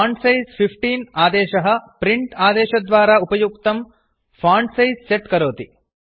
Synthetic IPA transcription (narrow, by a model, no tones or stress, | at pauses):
paːɳɖsɐjzpʰipʰʈiːnaːd̪ɛːʃɐɦɐ̆pɾiɳʈaːd̪ɛːʃɐd̪ʋaːɾaːupɐjukt̪ɐm | pʰaːɳɖsɐjzseʈkɐɾoːt̪i